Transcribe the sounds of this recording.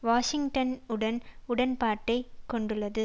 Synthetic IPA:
ʋaːʂɪŋʈɐnɯɽɐnʊɽɐnpaːʈːɐɪkːɔɳɖɯlːɐðɯ

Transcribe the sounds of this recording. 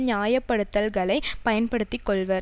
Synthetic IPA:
ɲɪjaːjɐpːɐɽɯt̪ːɐlɣɐɭɐɪpɐjɐnpɐɽɯt̪ːɪkːɔɭʋɐɾ

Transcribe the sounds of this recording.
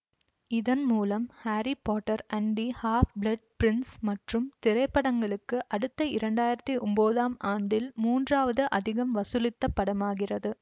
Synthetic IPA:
ɪðɐnmuːlɐmhaːɾipoːʈːɐɾɐɳɖihaːfblɐɖ̚pɾɪnsmɐʈrɯmt̪ɪɾɐɪpːɐɽɐŋɡɐɭɯkːɯʔɐɽɯt̪ːɐɪɾɐɳɖaːjɪɾɐt̪ːiʔɔmboːðaːmʔaːɳɖɪlmuːndraːʋɐðɯʔɐðɪɣɐmʋɐsɯlɪt̪ːɐpːɐɽɐmaːɣɪrɐðɯ

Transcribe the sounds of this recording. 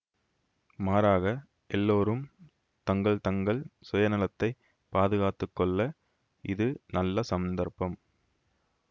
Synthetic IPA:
maːɾaːɣɐ | ʔɛlːoːɾɯm | t̪ɐŋɡɐɭt̪ɐŋɡɐɭsɔjɐnɪlɐt̪ːɐɪ | paːðɯɣaːt̪ːɯkːɔɭːɐ | ɪðɯnɐlːɐsɐmɐnd̪ɐɾpɐm

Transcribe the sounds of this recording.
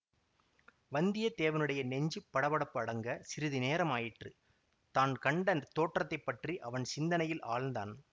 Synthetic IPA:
ʋɐnd̪ɪjɐt̪eːʋɐnɯɽɐjɐnɛɲd͡ʒɯpːɐɽɐʋɐɽɐpːɯɐɽɐŋɡɐsɪɾɯðɯneːɾɐmaːjɪʈrɯ | t̪aːnkɐɳɖɐnt̪ːoːʈrɐt̪ːɐɪpːɐʈriʔɐʋɐnsɪnd̪ɐnɐjɪlʔaːɭnd̪a̰ːn

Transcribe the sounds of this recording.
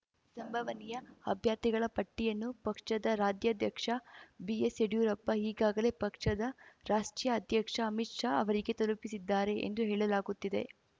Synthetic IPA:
sɐmbʱɐʋɐnɛjɐɐbʱjaːɾt̪iɡɐɭɐpɐʈːijɐnːupɐkʂɐd̪ɐɾaːd͡ʒ̪jɐd̪jɐkʂɐbieseɽjuːɾɐpːɐɦiːɡaːɡɐle̞pɐkʂɐd̪ɐɾaːʂʈɾijɐːd̪ʱjɐkʂɐːmit̪ʂaːɐ̰ʋɐɾiɡe̞t̪ɐlupisid̪ːaːɾe̞ʔḛnd̪uɦeːɭɐlaːɡut̪ːid̪e̞̰

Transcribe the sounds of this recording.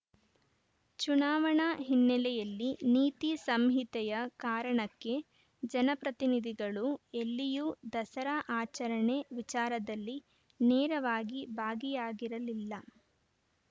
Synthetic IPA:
t͡ʃunaːʋɐɳɐɦinːɛlɛjɐlːiniːt̪isɐmɦit̪ɛjɐkaːɾɐɳɐkːe̞ | d͡ʒɐnɐpɾɐt̪inid̪ʱiɡɐɭuelːijud̪ɐsɐɾɐʔaːt͡ʃɐɾɐɳe̞ʋit͡ʃaːɾɐd̪ɐlːi | nɛːɾɐʋaːɡibʱaːɡijaːɡiɾɐlilːɐ

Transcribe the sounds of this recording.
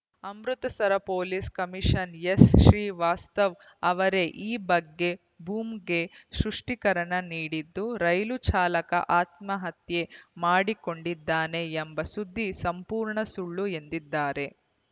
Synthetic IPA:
ɐmɾut̪ɐsɐɾɐpoːliskɐmiʂɐnjesʃɾiːʋaːst̪ɐʋ | ɐʋɐɾe̞ʔiːbɐɡːe̞ | bʱuːmɡe̞ʃɾuʂʈikɐɾɐɳɐniːɽid̪ːuɾɐjlut͡ʃaːlɐkɐ̰ʔaːt̪mɐɦɐt̪je̞maːɽiko̞ɳɖid̪ːaːneːmbɐsud̪ʱːisɐmpuːɾɳɐsuɭːue̞nd̪id̪ːaːɾe̞

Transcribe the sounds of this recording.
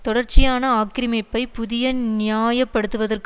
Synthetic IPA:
t̪ɔɽɐrt͡ʃɪjaːnɐaːkːɪɾɪmɐɪpːɐɪpʊðɪjɐnnɪjaːjɐpːɐɽɯt̪ːɯʋɐðɐrk

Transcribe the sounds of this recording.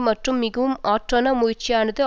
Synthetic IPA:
mɐʈrɯmːɪɣɐʋɯmaːʈrɐnɐmʊjɪrt͡ʃːɪjaːnɐðɯ

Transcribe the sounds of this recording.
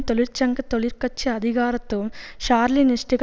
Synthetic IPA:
t̪oɭiɾt͡ɕɐŋɡɐt̪oɭiɾkɐt͡ʃːɨɐd̪ʱiɣaːɾɐt̪ːumʃaːɾliniʂʈiɡ

